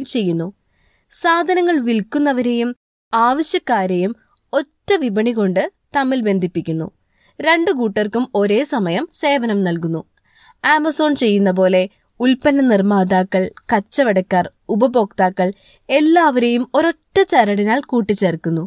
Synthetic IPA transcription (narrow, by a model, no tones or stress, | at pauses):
mt͡ɕe̞jːunːu | saːd̪ʱɐnɐŋːɐɭʋilkːunːɐʋɐɾe̞jum | aːʋɐɕjɐkːaːɾejum | o̞tːɐʋibɐɳiko̞ɳɖɨt̪ɐmːilbe̞nd̪ʱipːikʲːunːṵ | ɾe̞ɳɖɨkuːʈːɐrkumo̞ɾe̞ːsɐmɐjɐmse̞ːʋɐnɐmnɐlkunːu | aːmɐso̞ːnt͡ɕe̞jːunːɐp̬o̞ːle̞ | ulpɐnːɐnirmaːd̪aːkːɐɭkɐt͡ɕːɐʋɐɽɐkːaːrubɐbo̞ːkt̪aːkːɐɭ | e̞lːaːʋɐɾe̞jumoɾo̞ʈːɐt͡ɕɐɾɐɽinaːlkuːʈːit͡ɕːerkːunːu